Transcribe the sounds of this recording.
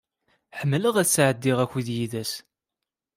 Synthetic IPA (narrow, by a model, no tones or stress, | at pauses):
ħəmːləʁæθsːʕəd̪ːɪʁæçuðjiðæs